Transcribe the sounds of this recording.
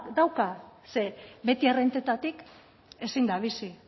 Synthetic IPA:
d̪awkase̞βe̞t̪ierent̪et̪at̪ik | e̞sind̪aβ̞isi

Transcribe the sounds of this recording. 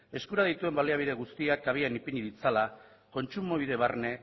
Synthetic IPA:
e̞skuɾað̞it̪ue̞mbaleaβiðe̞ɣ̞ust̪iakaβ̞ianipiɲiðit͡sala | ko̞nt͡ʃumo̞β̞ið̞e̞β̞arne̞

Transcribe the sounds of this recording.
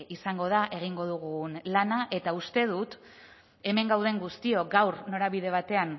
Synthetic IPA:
isaŋɡo̞ð̞aʔe̞ɣ̞iŋɡo̞ð̞uɣ̞unlanaʔe̞t̪aust̪e̞ð̞ut̪ | e̞me̞ŋɡawð̞e̞ŋɡust̪io̞ɡawɾno̞ɾaβiðe̞β̞at̪e̞an

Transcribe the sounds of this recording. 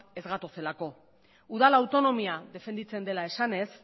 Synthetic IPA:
e̞zɣat̪ose̞lako̞ | uð̞alawt̪o̞no̞miaðe̞fe̞nd̪it͡se̞nd̪e̞lae̞sane̞s

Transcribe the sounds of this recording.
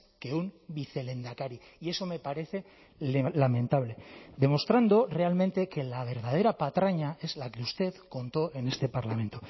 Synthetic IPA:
ke̞umbiθe̞le̞nd̪akaɾi | ie̞so̞me̞paɾe̞θe̞ | lelamẽ̞nt̪aβ̞le̞ðe̞mo̞st̪ɾand̪o̞re̞alment̪e̞ke̞laβ̞e̞ɾð̞að̞e̞ɾapat̪ɾaɲae̞zlake̞ust̪e̞ðko̞nt̪o̞ʔe̞ne̞st̪e̞paɾlamẽ̞nt̪o̞

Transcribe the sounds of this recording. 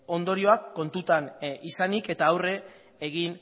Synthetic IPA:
o̞nd̪o̞ɾio̞akːo̞nt̪ut̪anisanike̞t̪aːwre̞ː | ɣin

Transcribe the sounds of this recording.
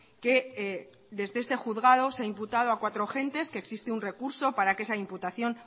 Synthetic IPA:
ke̞ | ðe̞zðee̞st̪e̞xuðɣað̞oseaimput̪að̞o̞akwat̪ɾoxe̞nt̪e̞skeksist̪eunre̞kuɾso̞paɾake̞saimput̪aθjo̞n

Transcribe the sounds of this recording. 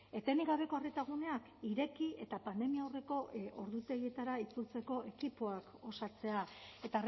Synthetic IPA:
e̞t̪eniɣaβe̞ko̞aret̪aɣune̞akiɾe̞kie̞t̪apand̪e̞miaore̞ko̞o̞ɾðut̪e̞ɣie̞t̪aɾait͡sult͡se̞ko̞ʔe̞kipo̞ako̞sat͡se̞ae̞t̪ar

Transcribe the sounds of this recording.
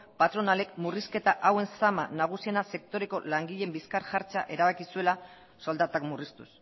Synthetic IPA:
pat̪ɾo̞nale̞kmuriske̞t̪aʔawe̞nsama̰naɣ̞usie̞nase̞kt̪o̞ɾe̞ko̞laŋɡiʎe̞mbiskaɾʝaɾt͡sa̰ʔe̞ɾaβakisue̞la | so̞ld̪at̪akmurist̪us

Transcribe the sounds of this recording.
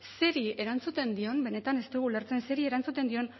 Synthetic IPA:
se̞ɾie̞ɾant͡sut̪e̞nd̪io̞mbe̞ne̞t̪ane̞st̪eɣuleɾt͡se̞nse̞ɾie̞ɾant͡sut̪e̞nd̪io̞n

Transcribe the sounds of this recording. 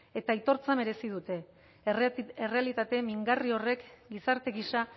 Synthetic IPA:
e̞t̪ait̪o̞ɾt͡same̞ɾe̞sið̞ut̪e̞ | ere̞alit̪at̪e̞miŋɡario̞re̞kɡisaɾt̪e̞ɣiʃa

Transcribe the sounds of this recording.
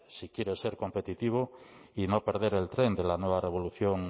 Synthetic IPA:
sikjeɾeseɾko̞mpet̪it̪iβ̞oinope̞ɾð̞eɾelt̪ɾend̪elanweβareβ̞o̞luθjoŋ

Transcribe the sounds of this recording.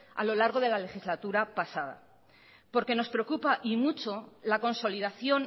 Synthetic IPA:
a̰lo̞laɾɣ̞o̞ðe̞lale̞xizlat̪uɾapasað̞a̰ | po̞ɾke̞no̞spɾe̞okupaʔimut͡ʃo̞lako̞nso̞liðaθjo̞n

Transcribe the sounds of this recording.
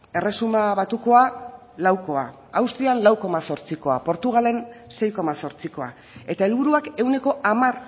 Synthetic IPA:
e̞re̞sumaβat̪uko̞a | lawko̞a̰ | awst̪ianlawko̞maso̞ɾt͡siko̞a̰po̞ɾt̪uɣale̞nse̞jko̞maso̞ɾt͡siko̞a̰ | e̞t̪aelβuɾuake̞uwne̞ko̞ʔamar

